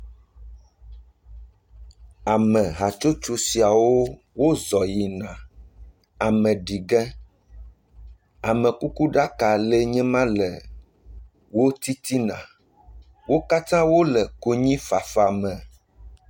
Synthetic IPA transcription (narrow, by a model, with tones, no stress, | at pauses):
a˨mɛ̃˨ɦa˨t͡ʃo˦t͡ʃo˦si˨a˨wo˦ | wo˦zɔ˨ji˨nã˨ | a˨mɛ̃˨ɖi˨ɡɛ˦ | a˨mɛ̃˨ku˦ku˦ɖa˦ka˨lɛ˦ɲɛ̃˦mã˦lɛ˨ | wo˦t̪i˦t̪i˦nã̰˨ | wo˦ka˦t̪ã˦wo˦lɛ˨ko˦ɲĩ˦fa˨fa˨mɛ̃˨